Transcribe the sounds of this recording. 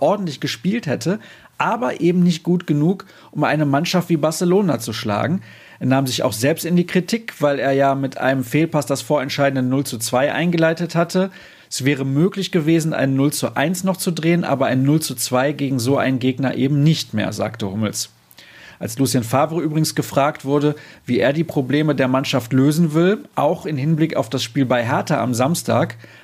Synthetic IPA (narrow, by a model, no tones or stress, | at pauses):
ʔɔɐdn̩tlɪçɡ̥əʃpiːlthɛtʰə | ʔaːbɐʔeːbm̩nɪçt̚ɡ̥uːtɡ̥ənuːk | ʔʊmʔa̰ɪnəmanʃaftv̥iːbaɐsəloːnat͡suʃla̰ːɡŋ̩ | ʔeːɐnaːmzɪça̰ʊxz̥ɛlpstɪndiːkʁ̥itʰiːkv̥aɪleːɐjaːmɪtʰʔa̰ɪnəmfeːlpasd̥asfoːɐɛntʃaɪdn̩dənːʊlt͡sut͡sv̥aɪʔa̰ɪnɡəlaɪtəthatʰə | ʔɛsv̥ɛːʁ̞əmøːklɪçɡ̥əveːzn̩ʔa̰ɪnənːʊlt͡suʔa̰ɪnsnɔχt͡sudʁeːənʔa̰ːbɐʔaɪnnːʊlt͡sut͡sv̥aɪɡeːɡŋ̩zoːʔa̰ɪnɡeːɡnɐʔeːbm̩nɪçtmḛːɐza̰ːktəhʊml̩s | ʔa̰lslusjanfaːvəʁʔyːbʁɪɡŋ̩sɡ̥əfʁ̥aːk̚tv̥ʊɐdəviːeːɐdiːpʁ̥obleːmədeːɐmanʃaftløːzn̩vɪlʔa̰ʊxɪnhɪnblɪka̰ʊfd̥asʃpiːlbaɪɦɛɐtɐʔa̰mzamstʰa̰ːk